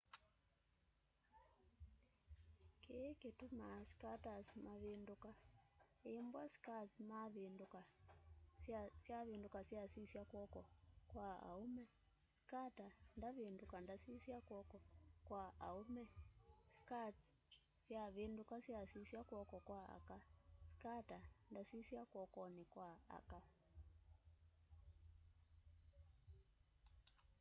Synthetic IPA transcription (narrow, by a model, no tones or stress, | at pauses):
keketumasi̥katasmaβendokaembwaskat͡smaβendoka | asjaβeːndokasjasisjakwɔkɔkwaa̰umɛ | si̥katandaβindukandasisjakwɔkɔkwaa̰umɛsi̥kat͡s | sjaβindukasjasisjakwɔkɔkwaa̰kasi̥katandasisjakwɔkɔnikwaa̰ka